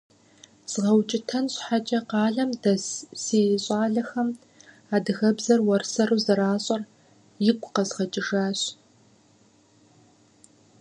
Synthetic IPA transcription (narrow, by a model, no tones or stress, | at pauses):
z̥ɨʁɐwt͡ʃʼɪtʰɐnɕħat͡ʃʼɐqɑːɮɐmdɐzseːjɕʼɑːɮɐxɐm | aːdɨɣɐbzɐrwɐrsɐruːzɐɾaːɕʼɐr | jɪkʷʼʊqɐzʁɐt͡ʃʼɪʒaːɕ